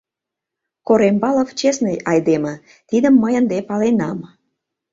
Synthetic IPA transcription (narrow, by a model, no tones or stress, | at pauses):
koɾembɑloft͡ɕesnejʔɑjd̪emə̆ | t̪id̪əmːəjənd̪epɑlenɑm